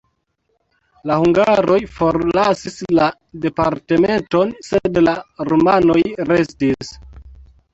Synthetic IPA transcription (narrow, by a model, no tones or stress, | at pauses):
lahuŋɡaɾo̞jfo̞ɾlasisla | de̞paɾte̞me̞nto̞nsedlaɾomano̞jɾe̞stis